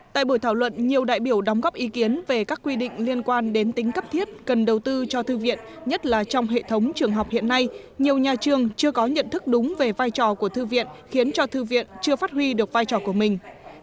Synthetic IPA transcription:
t̪a̰ː˧˨jɓo˧˩jt̪ʰaː˧˩wlwə̰˧˨nɲi˨˩əwɗa̰ː˧˨jɓi˧˩əwɗa˨˦wŋ͡mɣɔ˦˥pʔi˨˦ki˨˦ənve˨˩kaː˦˥kːwi˧ɗḭ̈˧˨ŋ̟li˧ənkwaː˧nɗe˨˦nt̪ï˨˦ŋ̟kə˦˥p̚t̪ʰi˦˥ət̚kə˨˩nɗə˨˩wt̪ɨ˧t͡ɕɔ˧t̪ɨ˧vḭ˧˨ən | ɲə˦˥t̚laː˨˩t͡ɕɔ˧wŋ͡mɦḛ˧˨t̪ʰə˨˦wŋ͡mt͡ɕɨ˨˩əŋɦə˨˩wk͡p̚hḭ˧˨ənːa˧j | ɲi˨˩əwɲaː˨˩t͡ɕɨ˨˩əŋt͡ɕɨ˧əkɔ˨˦ɲə̰˧˨nt̪ɨ˦˥k̚ɗʊ˨˦ŋ͡mve˨˩vaː˧jt͡ɕɔ˨˩ku˧˩ət̪ɨ˧vḭ˧˨ənxi˨˦ənt͡ɕɔ˧t̪ɨ˧vḭ˧˨ənt͡ɕɨ˧əfaː˦˥t̚hwi˧ɗɨ˨˩ək̚vaː˧jt͡ɕɔ˨˩ku˧˩əmï˨˩ŋ̟

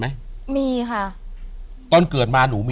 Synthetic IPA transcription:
ma˦˥jmiː˧kʰa˥˩ | t̪ɔː˧nkɤː˨˩t̪̚maː˧nuː˩˦miː˧

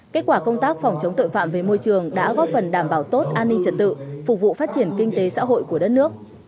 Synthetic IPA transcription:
ke˦˥t̚kwaː˧˩kə˧wŋ͡mt̪aː˦˥k̚fɔ˨˩wŋ͡mt͡ɕə˨˦wŋ͡mt̪o̰˧˨jfa̰ː˧˨mve˨˩mo˧jt͡ɕɨ˨˩əŋɗa̰ː˧˥ɣɔ˦˥p̚fə˨˩nɗaː˧˩mɓaː˧˩wt̪o˦˥t̚ʔaː˧nːi˧ŋt͡ɕə˨˩t̚t̪ɨ̰˧˨fʊ˨˩k͡p̚vṵ˧˨faː˦˥t̚t͡ɕi˧˩ənkï˧ŋ̟t̪e˨˦sa̰ː˧˥ɦo̰˧˨jku˧˩əɗə˦˥t̚nɨ˦˥ək̚

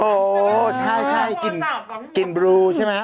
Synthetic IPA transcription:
ʔoː˨˩t͡ɕʰa˥˩jt͡ɕʰa˥˩jt͡ɕi˨˩nt͡ɕi˨˩nbɾuː˧t͡ɕʰa˦˥˩ma˦˥

